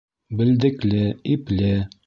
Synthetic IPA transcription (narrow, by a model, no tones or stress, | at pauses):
bɘ̆ld̪ɘ̆klɘiplɘ